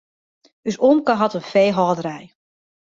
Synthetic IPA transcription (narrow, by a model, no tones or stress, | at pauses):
ysɔmkəɦɑtənfejɦɔːdəɾɛj